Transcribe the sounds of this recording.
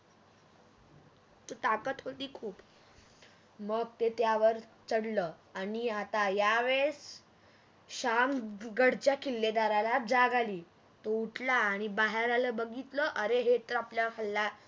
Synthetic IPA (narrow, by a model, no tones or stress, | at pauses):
t̪ot̪akət̪ɦot̪iːkʰuːp | məɡ̚t̪et̪jaʋəɾt͡səɽləː | aniat̪ajaʋes | ɕamɡəɽt͡ɕjakʰilːed̪aɾalad͡zaɡaliː | t̪ouʈʰlaːɽ̃ibaɦeɾaləbəɡit̪ləʔəɾeɦet̪əɾapljakʰəlːa